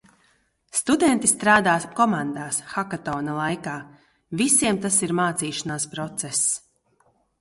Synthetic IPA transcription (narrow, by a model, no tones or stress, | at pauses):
st̪ud̪ɛnt̪ist̪ɾaːd̪aːkɔmand̪aːsxakat̪ɔːnalˠajkaː | visiɛmt̪asiɾmaːt̪siːʃanaːspɾɔt̪sɛs